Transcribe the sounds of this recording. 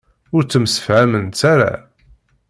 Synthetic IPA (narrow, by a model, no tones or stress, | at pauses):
ʊɾt͡sːəmsə̥fʕæmənt̪t͡saɾa̰